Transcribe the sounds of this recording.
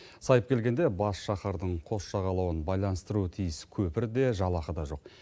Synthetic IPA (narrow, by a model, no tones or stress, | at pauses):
sɑjəp̚kʲʰe̞lɡʲe̞nd̪e̞bɑsʃɑχɑɾd̪əɴqʰo̞sʃɑʁɑlˠɑwənbɑjlˠɑnəst̪əɾuət̪ʰijɪskʲʰɵpɪɾd̪e̞ʒɑlˠɑχəd̪ɑʒo̞q̚